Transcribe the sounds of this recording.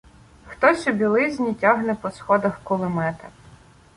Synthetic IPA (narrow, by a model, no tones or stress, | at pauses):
xt̪ɔsʲɔbʲilˠɪzʲnʲitʲɑɦnɛpɔsxɔd̪ɐxkʊlˠɪmɛt̪ɐ